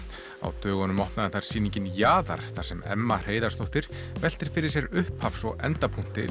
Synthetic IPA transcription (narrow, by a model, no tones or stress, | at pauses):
a̰wt̪œːɣɔnʏmɔhp̪naðɪnθaɾ̥siːniɲcɪnjaːða̰ɾ̥θaɾ̥sɛmɛ̰mːar̥eːjðaɾst̪owht̪ɪɾ̥vɛl̥t̪ɪɾ̥fɪɾɪɾ̥s̬jɛɾʏhphafsɔɣɛ̰nt̪apʰuŋ̥t̪ɪ̰